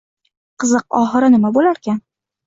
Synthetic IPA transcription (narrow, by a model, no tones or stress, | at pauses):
qʰɨzɨqɒχɨɾɪnɪmabolaɾkʲan